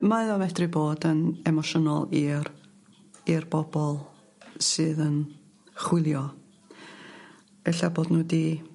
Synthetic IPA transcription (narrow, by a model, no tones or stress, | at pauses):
maðɔmɛdrɨboːdənɛmɔʃənɔlˠir | irb̥ɔbɔlˠ | sɨːðən | χwɪlˠjɔ | ɛɬaboːdnuːdi